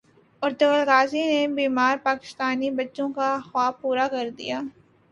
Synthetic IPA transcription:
ɔːɾt̪ɐʋəlɣaːzinebiːmaːɾpaːkɪ̥st̪aːnibɐtːʃõkaɐxwaːpuːɾakɐɾd̪ḭjaː

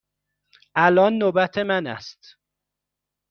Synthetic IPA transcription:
ʔælɒːnːoːbæt̪ʰemænæ̰st̪

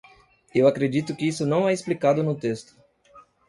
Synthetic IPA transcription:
ewakɾed͡ʒit̪ʊkɪisʊnɐ̃w̃ɛesplikad̪ʊnʊt̪est̪ʊ̥

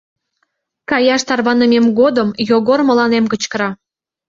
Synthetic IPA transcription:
kɑjɑʃt̪ɑrβɑnəmemɡod̪əmjoɣormə̆lɑnemkə̆t͡ɕkəɾɑ

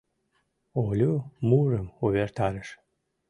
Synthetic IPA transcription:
olʲumuɾəmuβert̪aɾəʃ

